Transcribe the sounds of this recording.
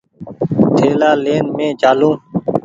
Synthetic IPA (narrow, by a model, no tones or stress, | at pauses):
t̪ʰeːlaːleːnmẽːt͡ʃaːlũː